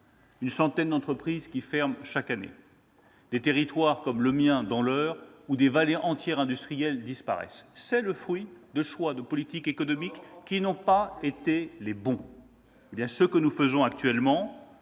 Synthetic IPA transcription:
ynsɑ̃t̪ɛnd̪ɑ̃t̪χəpχizkʲifɛʁmʃakanḛ | d̪̥et̪eʁit̪waʁkɔmləmjɛ̃d̪ɑ̃lœːʁud̪evaleʔɑ̃t̪jɛʁɛ̃d̪yst̪χijɛld̪ispa̰ʁɛ̰ssɛləfχɥid̪əʃwad̪əpɔlit̪ikekɔnɔmikːinɔ̃paet̪elebɔ̃ | ebjɛ̃səkənufəzɔ̃ak̚t̪ɥɛlmɑ̃

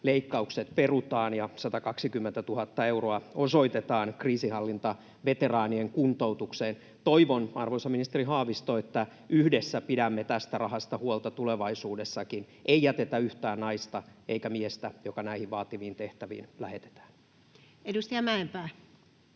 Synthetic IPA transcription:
leikːɑukset̪perut̪ɑːnjɑsɑt̪ɑkɑksikymːent̪æt̪uhɑt̪ːɑeuroɑoso̞it̪et̪ɑːnkriːsihɑlːint̪ɑ | ʋet̪erɑːnieŋkunt̪out̪ukseːn | t̪oiʋonɑrʋonsɑminist̪eriɦɑːʋist̪oet̪ːæ | yhdesːæpidæmːet̪æst̪ærɑɦɑst̪ɑhuolt̪ɑt̪uleʋɑisuːdesːɑkin | ʔeijæt̪et̪æyht̪æːnnɑist̪ɑeikæmiest̪æjokɑnæihiʋʋɑːt̪iʋiːnt̪eht̪æʋḭːnlæhet̪e̥t̪æ̥ːn̥ | edust̪ijɑmæempæː

